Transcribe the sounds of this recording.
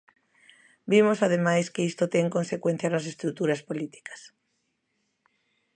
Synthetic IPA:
bimosað̞emajskeist̪ot̪eŋkonsekwen̟θjanasest̪ɾut̪uɾaspolit̪i̥kḁs

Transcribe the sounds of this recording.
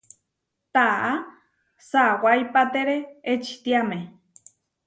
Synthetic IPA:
t̪aʔa | sawajpat̪eɾeet͡ʃi̥t̪iamẽ

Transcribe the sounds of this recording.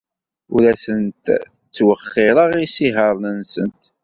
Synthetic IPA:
ṵlæsənt̪ | t͡sːwəχːɪɾˤəʁisiɦəɾˤnənsə̰nt̪

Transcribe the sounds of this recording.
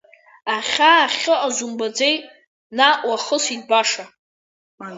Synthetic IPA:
aχʲaːχʲɨʔazumbad͡zej | naʔwaχəsidbaʂa

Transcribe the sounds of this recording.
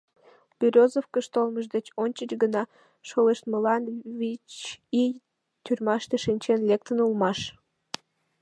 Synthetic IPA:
b̥ʲyɾʲozofkəʃt̪olməʒd̪et͡ɕonʲt͡ɕət͡ɕɡənɑ | ʃoleʃt̪məlɑnvʲit͡ɕij | t̪ʲyrʲmɑʃt̪eʃinʲt͡ɕenlek̚t̪ənulmɑʃ

